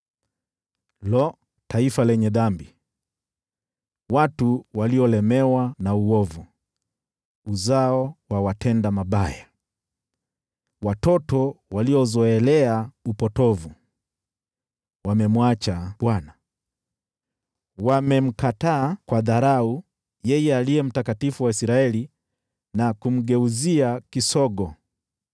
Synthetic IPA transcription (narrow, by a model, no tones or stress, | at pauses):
lɔ | taifalɛɲɛðambi | watuwaliɔlɛmɛwanauɔvu | uzaɔwawatʰɛndamaɓaja | watɔtɔwaliɔzɔɛlɛaupɔtɔvu | wamɛmwat͡ʃaɓwana | wamɛm̩kataːkwaðaɾau | jɛjɛaliɛm̩takatifuwaisiɾaɛli | nakum̩ɡɛuziakisɔɡɔ